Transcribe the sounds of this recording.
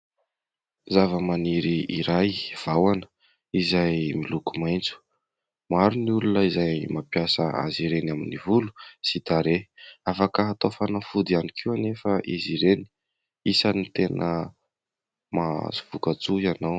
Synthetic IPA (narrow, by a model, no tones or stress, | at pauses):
zavəmaniɾiiɾajv̥awanə̥ | izajmilukumajnt͡su̥ | maɾuniulunəizajmapjasə̰a̰ziɾenaminivulu̥sit̪aɾeafakəɦat̪ofanafud̪ianikʰiwanefəʔiziɾeni̥ | isanit̪enə | ma̰zuv̥ukat͡suianaw